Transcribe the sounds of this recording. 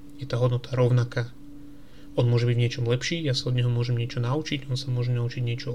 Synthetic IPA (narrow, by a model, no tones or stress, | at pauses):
jɛt̪aːɦɔd̪nɔt̪ʰaɾɔʊnakaː | ɔnmʊɔʒɛbiɟvɲɪɛt͡ʃɔmlɛpʃiːjasaɔd̪ɲɛɦɔmʊɔʒɛmɲɪɛt͡ʃɔnaut͡ʃiɟɔnsamʊɔʒɛnaut͡ʃiɟɲɪɛt͡ʃɔ